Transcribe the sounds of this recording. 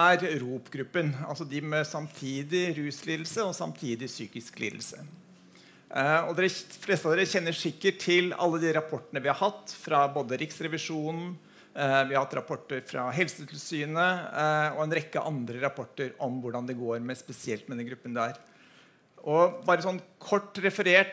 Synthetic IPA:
æɾɾuːpɡɾʉpːənɑ̰lsɔd̪ɪmɛsɑmt̪ʰiːd̪ɪɾʉːsliːd̪l̩səɔsɑmt̪ʰiːd̪ɪsyːkɪsklḭːd̪l̩sə | ɔd̪ɛflɛːst̪ɑd̪ɛçɛnːəʂɪkːəʈʰɪlɑ̰lːəd̪ɪɾɑpʰɔʈːəɳəʋɪhɑɾhɑt̪ːfɾɑboːd̪əɾɪksɾɛʋɪʂuːnn̩ | ʋɪhɑɾhɑt̪ːɾɑpʰɔʈːəɾfɾɑ̰ɦɛlsət̪ʰɪlsyːnəɔɛnɾɛkːə̰ʔɑnd̪ɾəɾɑpʰɔʈːəɾɔmʋʊɖɑnd̪ɛɡoːɾmɛspɛsɪɛlt̪mɛd̪ɛnɡɾʉpːənd̪ɛæɾ | ʔɔbɑːɾəsɔnːkʰɔʈːɾɛfəɾeːʈ

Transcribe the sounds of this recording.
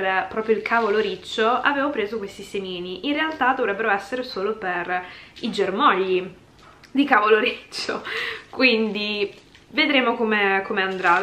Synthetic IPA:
pɾɔːpɾjoilkʰaːvoloɾit͡ʃːoaveːvopɾeːzokwest̪isemiːniʔinrealt̪ad̪ovɾɛbːeɾoɛsːeɾesoːloperid͡ʒermɔʎːi | d̪ikavoloɾit͡ʃːokwind̪i | ved̪ɾeːmokomekomeand̪ɾa

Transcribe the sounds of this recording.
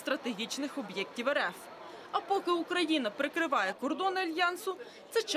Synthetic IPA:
st̪ɾɐt̪eɦʲit͡ʃnɪxɔbjɛktʲiwɛɾɛf | ɐpɔkɪukɾɐjinɐpɾɪkɾɪʋɑjɛkɔrd̪ɔnɪɐlʲjɑnsʊ | t̪sɛt͡ʃ

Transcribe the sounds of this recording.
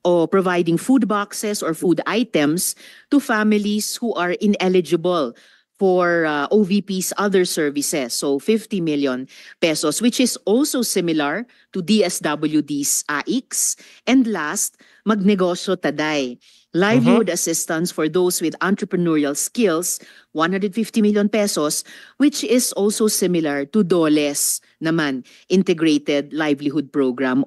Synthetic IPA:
ʔopɹɔvajd̪ɪ̃ŋfud̪̚baksɛsɔɹfud̪ajt̪ɛ̃mst̪ufamɪlishuʔaɹʔɪnɛlɪd͡ʒɪbɐl | fɔɹaʔovipisɐðɛɹsɛɹvɪsɛsːofɪft̪imɪljɔ̃npɛsɔswɪt͡ʃɪsʔɔlsowsɪmɪlɐɹ | t̪ud̪iɛsd̪ɐbɐljud̪isʔaʔiks | ʔɛ̃nd̪last̪̚ | mɐɡ̚nɛɡosjot̪ɐd̪aj | lajvlihʊd̪ɐsɪst̪ɐ̃nsfɔɹðowswɪd̪ãnt̪ɹɛpɹɛnɔɹiɐlskɪls | wɐnhɐ̃nd̪ɹɛd̪fɪft̪imɪljɔ̃npɛsoswɪt͡ʃɪsʔolsowsɪmɪlɐɹt̪ʊd̪olɛs | nɐman | ʔɪ̃nt̪ɛɡɹejt̪ɛd̪̚lajvlɪhʊd̪̚pɹoɡɹam

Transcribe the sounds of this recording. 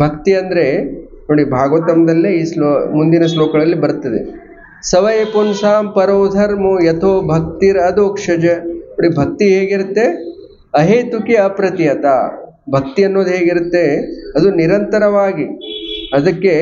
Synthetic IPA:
bʱɐkt̪iɐnd̪ɾe | no̞ːɽibʱaːɡʋɐt̪ɐmɐd̪ɐlːiiːslomund̪inɐsloːkɐɽɐlːibɐɾt̪ːɐd̪ḛ | sɐʋɐjpunsaːmpɐɾoːd̪ʱɐɾmujet̪ʰoːbʱɐk̚t̪iɾɐd̪oːkʂɐd͡ʒɐnoːɽibʱɐk̚t̪iɦeːɡiɾut̪ːe | ɐɦeːt̪ukiɐpɾɐt̪ijɐt̪a̰ː | bʱɐk̚t̪iɐnːoːd̪uɦeːɡiɾut̪ːe̞ɐd̪uniɾɐnt̪ɐɾɐʋaːɡiɐd̪ɐkːe

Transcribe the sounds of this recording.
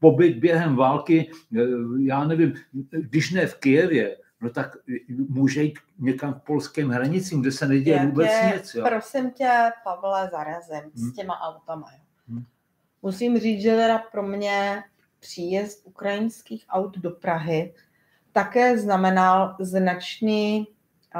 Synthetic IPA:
pobɪd̪̚bjɛɦɛmvaːlkɪ | jaːnɛvɪmɡdɪʃnɛfkɪjɛvjɛ | not̪akmuːʒɛjiːt̪ɲɛkamfpolskɛːmɦɾaɲɪt͡siːmɡdɛsɛnɛɟɛjɛvuːbɛt͡sɲɪt͡sjoɾosɪmcɛpavlɛzaɾazɪmscɛmaʔawt̪amajo | musimriːt͡sʒɛt̪ɛdapɾo̞mɲɛ | pr̝̥iːjɛst̪ʔukɾajɪnskiːxʔawd̪do̞pɾaɦɪ | t̪akɛːznamɛnalznat͡ʃniː

